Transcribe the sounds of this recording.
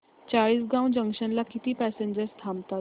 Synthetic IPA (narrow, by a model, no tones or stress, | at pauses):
t͡ɕaɭiːsɡãw̃d͡ʑə̃ŋkɕənlakit̪iːpæsẽɲd͡ʑəɾst̪ʰamt̪at̪